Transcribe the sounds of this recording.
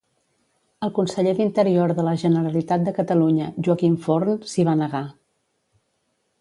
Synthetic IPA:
əlˠkunsəʎeðint̪əɾioɾðələʒənəɾəlit̪at̪̚d̪əkət̪əluɲəʒuəkiɱfoɾnsiβ̞anəɣa

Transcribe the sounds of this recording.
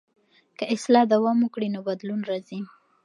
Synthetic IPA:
kəɪslɑd̪awɑmukɽinobad̪lunɾɑzi

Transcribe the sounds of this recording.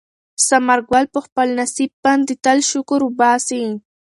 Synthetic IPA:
samaɾɡwalpəxpəlnasib̚pand̪it̪alʃʊkuɾubaːsi

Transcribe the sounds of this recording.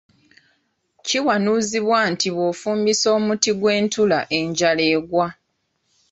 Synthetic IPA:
ciwanuziβwaːntiβofuːmbiso̞ːmutiɡwe̞ːntʰulaʔe̞ɲɟaleːɡwa

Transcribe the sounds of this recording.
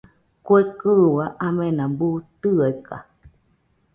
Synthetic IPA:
kʷekɨwaʔamẽnãbut̪ɨaka̰

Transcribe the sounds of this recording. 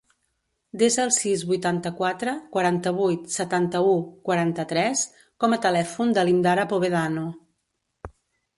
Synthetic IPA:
d̪ezəːlˠsizβujt̪ant̪əkwat̪ɾəkwəɾant̪əβ̞ujt̪sət̪ant̪əukwəɾant̪ət̪ɾɛs | kɔmət̪əlɛfund̪əlind̪aɾəpoβeðanu

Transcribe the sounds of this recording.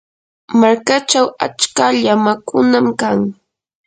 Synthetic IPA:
maɾkat͡ʃawa̰t͡ʃkaʎamakʊnamkaŋ

